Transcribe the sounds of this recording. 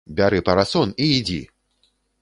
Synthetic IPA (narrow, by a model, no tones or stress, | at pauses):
bʲaɾɨpɐɾasɔniːd͡zʲḭ